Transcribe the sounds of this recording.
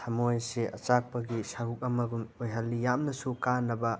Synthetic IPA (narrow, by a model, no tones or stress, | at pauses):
hɐmojseɐ̰t͡ʃak̚pɐɡisaɾuk̚ɐmɐɡumojɦɐlːijamnɐsukanːɐbɐ